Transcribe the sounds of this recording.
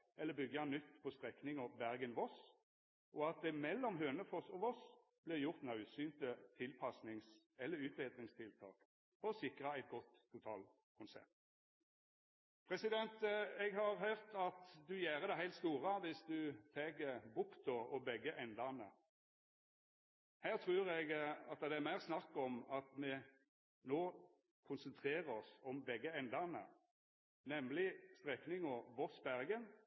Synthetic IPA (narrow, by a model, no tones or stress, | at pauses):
ɛlːəbʏɡjɑnʏt̪ːpʰɔst̪ʁɛknɪŋɔʋbæʁɡənʋɔs | ʔɔɑt̪̚d̪ɛmɛlːɔmɦøːnəfɔsɔʋɔs | b̥lɪʁjʊʁt̪nɑʉsyːnt̪ət̪ʰɪlpʰɑsnɪŋs | ɛlːəʉːt̪ʋɛd̪ʁɪŋst̪ʰɪlt̪ʰɑ̰ːk | fɔʁɔsɪkʁɑæɪt̪̚ɡɔt̪ʰːʊt̪ʰɑːl | kʰʊnsɛ̰p̚t̪ | pʰʁɛsɪd̪ɛnt̪ɛɡɦɑʁɦœʁt̪ɑt̪d̪ʉjæːʁəd̪ɛɦæɪt̪st̪uːʁəʋɪsd̪ʉt̪ʰeːɡəbʊkt̪ɔɔbɛɡəʔɛnd̪ɑnə | hæːʁt̪ʰʁʉːɾɛɡɑt̪̚d̪ɛæmæɪʁsnɑkːɔmɑt̪mɛ | noː | kʰʊnsənt̪ʰʁeːʁəɔsɔmbɛɡːəɛnd̪ɑnə̰ | nɛmlɪst̪ʁɛknɪŋɔʋɔʁsbæʁɡən